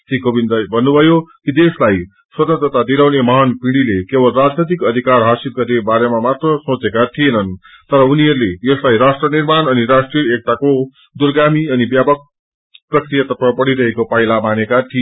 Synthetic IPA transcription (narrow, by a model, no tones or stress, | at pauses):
sikobind̪ajbʱʌnːubʱʌjokid̪eslaj | swʌt̪ʌnt̪rʌt̪ad̪ilawnemʌɦʌnpĩɽilekebʌlrad͡znʌt̪̬ikʌd̪ʱikarɦasibɡʌɾnebaɾemamat̪rʌsõt͡sekat̪ʰijenʌn | t̪ʌɾʌuniʌɾulejʌslajɾasʈrʌnirmanʌniɾasʈrijʌek̚t̪ako | d̪urɡamiʌnibjapʌk̚ | prʌkrijat̪ʌt̪pʰapʌɽiɾʌɦekopailamanekat̪ʰi